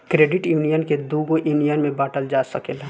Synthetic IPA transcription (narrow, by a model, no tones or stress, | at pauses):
kɾeːɖɪʈjuːnijənked̪uːɡoʔjuːnijənmẽbaːʈəld͡ʒaːsəkele